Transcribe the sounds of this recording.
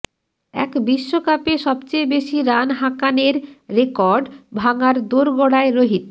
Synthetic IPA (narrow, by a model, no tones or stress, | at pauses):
ɛ̰kbiʃːokapeʃɔbt͡ɕejbeʃiɾanɦakaneɾːekɔɾɖbʱaŋaɾd̪oɾɡɔɽaeɾoɦit̪